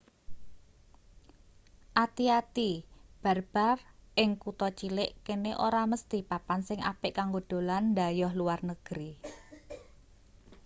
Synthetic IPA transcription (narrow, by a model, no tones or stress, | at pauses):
ʔat̪iat̪ib̥a̤rb̥a̤rʔɪŋkut̪ɔt͡ʃilɪʔkeneʔoɾaməst̪ipapansɪŋa̰pɪʔkaŋɡod̪̥o̤lanːd̪a̤jɔhluarnəɡ̥əɾi